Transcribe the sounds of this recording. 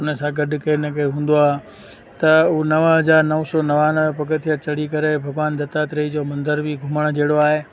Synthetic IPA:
ʊnəsãɡɐɖʊkenəkʰeɦũːn̆d̪oaːɦ | t̪ɐunɐʋɦɐzaːɾnɐʋsɔnɐʋanɐʋpɐkət̪ʰijət͡ɕɐɽikɐɾebʱɐɡʋaːnd̪ɐt̪at̪ɾɐid͡ʑoːmɐ̃nd̪əɾbiɡʱʊməɽ̃d͡ʑeːɽoaːɦeː

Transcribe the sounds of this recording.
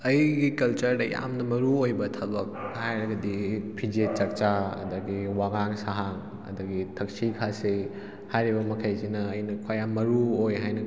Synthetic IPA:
ɐjɡikɐlt͡ʃɐɾdɐja̰mnɐmɐɾuojbɐtʰɐbɐk̚hajɾɐɡɐdipʰid͡ʒet͡ʃɐk̚t͡ʃaɐ̰d̪ɐɡiwaɡaŋsaɦaŋ | ɐ̰d̪ɐɡitʰɐk̚sikʰase | hajɾibɐmɐkʰajsinɐːjnɐkʰojamːɐɾuojɦajnɐ

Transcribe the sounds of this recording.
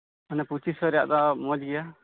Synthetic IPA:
ɔnɛput͡ʃisɔɾɛja̰ʔd̪amɔd͡ʒɡɛja

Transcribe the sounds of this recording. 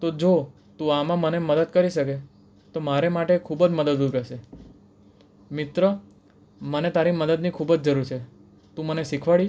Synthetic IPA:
t̪od͡ʒo | t̪ũamãməneməd̪əd̪kəɾiʃəke | t̪omaɾemaʈekʰubəd͡ʒməd̪əd̪upaʃe | mɪt̪ɾə | mənet̪aɾiməd̪əd̪nikʰubəd͡ʒd͡ʒəɾuɾt͡ʃʰe | t̪ũməneʃikʰʋaɭi

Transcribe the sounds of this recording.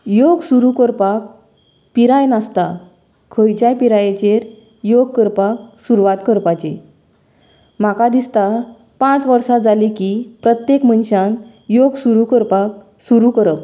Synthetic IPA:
joɡsuɾukəɾpak̚ | piɾajnast̪a | kʰəjt͡ɕajpiɾajet͡ɕeɾ | joɡ̚kəɾpak̚suɾʋat̪kəɾpat͡ɕe | m̤akad̪ist̪a | pãt͡sʋəɾsad͡zalikipɾət̪jekmənɕan | joɡsuɾukəɾpak̚ | suɾukəɾəp

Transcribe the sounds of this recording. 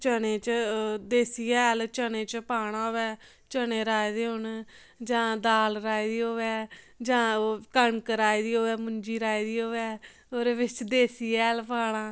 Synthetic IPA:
t͡ʃəneːt͡ʃd̪eːsiɛːlt͡ʃənẽːt͡ʃpaːɽ̃ãːoːɛː | t͡ʃəneːɾaːid̪eːɦʊn | d͡ʒãːd̪aːlɾaːiːd̪iːoːʋɛː | d͡ʒãːkəɳkəɾaːiːd̪iːoːʋɛːmʊɲd͡ʒiːɾaːiːd̪iːoːʋɛː | oːɾeːʋɪt͡ʃd̪eːsiːɛːlpaːɽ̃aː

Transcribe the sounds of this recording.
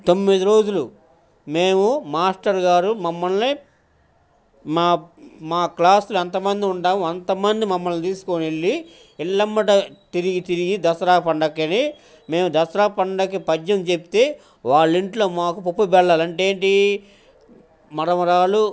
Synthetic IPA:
t̪o̞mːid̪iɾo̞ːd͡ʒulu | me̞ːmumaːsʈɐɾɡaːɾumɐmːɐlni | maːmaːklaːsluɐnt̪ɐmɐnd̪iuɳɖaːmuɐnt̪ɐmɐnd̪imɐmːɐlnit̪iːsu̥koneɭːi | iɭːɐmːɐʈɐt̪iɾiɡit̪iɾiɡid̪ɐsɐɾaːpɐɳɖɐkːɐni | me̞ːmud̪ɐsɐɾaːpɐɳɖɐkːipɐd͡ʒɐmt͡ʃepit̪e̞ː | ʋaːɭːiɳʈlo̞ːmaːkupopːubɛɭːaːlɐɳʈe̞ːɳʈi | mɐɾɐmɐɾaːlu

